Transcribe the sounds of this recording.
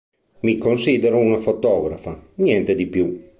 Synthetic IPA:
mikonsid̪eɾounafot̪ɔːɡɾafaɲjɛnt̪ed̪ipju

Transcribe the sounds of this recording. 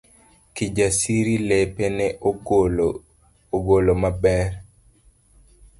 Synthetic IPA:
kid͡ʒasiɾilepenɛ | oɡolomabɛr

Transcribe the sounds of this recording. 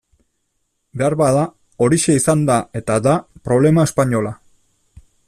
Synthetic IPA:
be̞aɾβaða | o̞ɾiʃe̞isand̪ae̞t̪ad̪apɾo̞β̞le̞mae̞spaɲo̞la

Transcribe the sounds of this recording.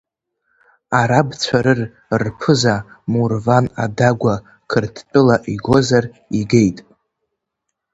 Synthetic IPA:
aɾabt͡sʷʰaɾɨr | rpʰɨzamurvana̰daɡʷa | kʰɨrtʰpʼɨlaʔiɡo̞zar | iɡe̞jtʼ

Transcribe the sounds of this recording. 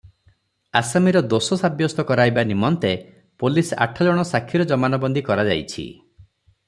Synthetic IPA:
asamiɾɔd̪osɔsabjɔst̪ɔkɔɾajbanimɔnt̪e | polisa̰ʈʰɔd͡ʒɔɽ̃ɔsakʰːiɾɔd͡ʒɔmanɔbɔnd̪ikɔɾad͡ʒa̰jt͡ʃʰḭ

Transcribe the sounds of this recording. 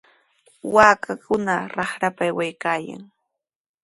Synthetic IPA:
waːkakʊnaɾɑχɾapajwajkaːja̰ŋ

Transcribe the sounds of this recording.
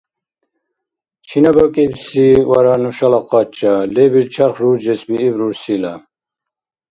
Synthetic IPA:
t͡ʃʰinabɔkʼɛbsiwaɾanuʃalaqʼɑt͡ʃʰʼalɛbilt͡ʃʰaχɾud͡ʒɛsbiːbɾuɾsila

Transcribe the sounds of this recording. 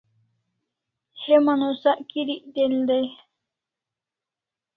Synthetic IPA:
hemanosaʔkiɾiʔd̪eld̪ej

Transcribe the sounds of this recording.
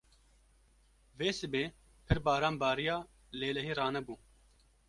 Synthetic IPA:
veːsɨbeː | pʰɨɾbɑːɾaːmbɑːɾijɑː | leːlɛɦiːrɑːnɛbuː

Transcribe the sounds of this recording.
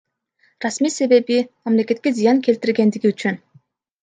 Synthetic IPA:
rasmiːse̞βe̞βimamle̞ke̞t̪̚kʲe̞zijaŋkʰelt̪iɾɡe̞nd̪iɡiyt͡ʃyn

